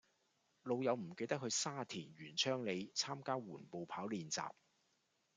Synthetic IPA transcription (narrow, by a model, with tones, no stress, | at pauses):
lo˨˧wjɐ˨˧wm̩˨˩ke˧jt̪ɐ˥k̚hɵ˧saː˥t̪ʰiː˨˩nɥyː˨˩nt͡ʃʰœː˥ŋle˨˧jt͡sʰaː˥mkaː˥wuː˨˩npo˨wpʰaː˨˥wliː˨˧nt͡sa̰ː˨p̚